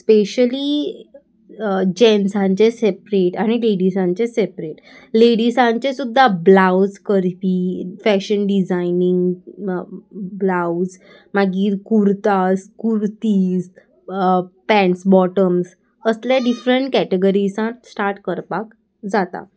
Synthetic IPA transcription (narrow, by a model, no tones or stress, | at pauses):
speɕəli | d͡ʑensãɲt͡ɕesepɾeʈaɽ̃ileɽisãɲt͡ɕesepɾeʈ | leɽisãɲt͡ɕesud̪ʱːablawd͡zkəɾpifæɕənɖid͡zainiŋɡ | blawd͡z | maɡiːɾkuɾt̪askuɾt̪iːs | pɛ̃ɳsbɔʈəms | əsljaɖifɾəɳʈkɛʈeɡəɾisãsʈaɾʈkəɾpak | d͡zat̪a̰